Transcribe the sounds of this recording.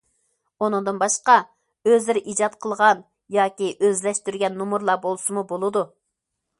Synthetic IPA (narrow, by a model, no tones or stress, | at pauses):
onɨŋd̪ɨnbɑʃqɑ | øzɪɾɪʔid͡ʒɑt̪qʰəlˠʁɑn | jɑːkʲiʔøzlɛʃt̪yɾɡʲɛnːumuɾlˠɑbolˠsɨmubolˠɨd̪u